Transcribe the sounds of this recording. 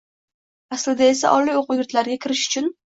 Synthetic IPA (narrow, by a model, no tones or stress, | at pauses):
aslɪd̪ae̞s̬a̰ʔɒlːijoqʊwjʊɾt̪laɾɡʲakʲʰɪɾɪʃʊ̥t͡ʃʰʊn